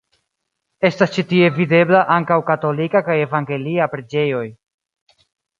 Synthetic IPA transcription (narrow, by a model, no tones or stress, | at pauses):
e̞stast͡ʃitie̞vide̞blaʔaŋkawkato̞likakaje̞vaŋɡe̞liapɾe̞d͡ʒe̞jo̞j